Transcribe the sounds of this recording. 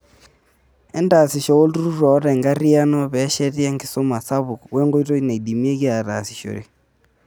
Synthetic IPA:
ɛ˦nda˨sɪ˨ʃɔ˨o˦ltu˦ɾu˦ɾɔ˨˦ɾɛ˨ŋɡa˦ɾi˦a˦nɔ˦bɛ˨˦ʃɛ˦tɛ˦ŋɡɪ˨so˦ma˨sa˦βʊ˨kwe˦ŋɡo˦ito˦ne˨idi˨mje˦kɪ˦a˨ɾa̰˨sɪ̥˨ʃo̰˨ɾḛ˨

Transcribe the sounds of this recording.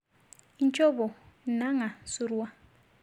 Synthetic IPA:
i˦nt͡ʃʼɔ˦ɓɔ˨ | na˦ŋa˨su˦ɾu˦a˦

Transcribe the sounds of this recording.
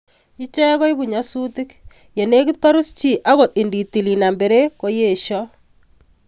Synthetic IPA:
i˦t͡ʃɛ˦kɔ˦jβu˨ɲa˦su˦ti˦k | je˨ne˦ki˦t̪̚ka˦ɾu˦st͡ʃi˨ʔa˦ɣo˨t̪̚i˨ndi˨ti˨li˨na˨mbe˨ɾe˦ko˦je˦˨ʃɔ˦

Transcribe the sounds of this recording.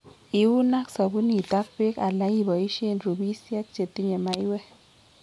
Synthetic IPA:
i˨wu˦na˦ksɔ˨bu˦ni˨ta˦kpe˦ka˨la˨˦ji˦˨bɔ˨i˦ʃe˦˨nɾu˨bi˦si˦a˦t̚t͡ʃe˨ti˦ɲɛ˨ma˨˦i˦wɛ˦

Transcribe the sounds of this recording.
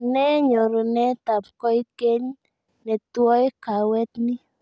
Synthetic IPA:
nɛ˦ɲo˨ɾo˨nɛ˦t̪a˨pkɔ˦i˦ke˦ɲ | nɛ˨twɔ˦ka˨wɛ˦t̪ni˦

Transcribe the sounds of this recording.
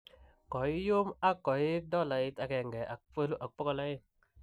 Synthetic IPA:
kɔ˨i˦jo˦ma˦kɔ˨i˦dɔ˦˨la˨ji˦ta˨kɛ˨ŋɡɛ˨ʔa˨k̚fə˦lu˦ʔa˨k̚pɔ˦kɔ˦˨la˦ji˦t̚

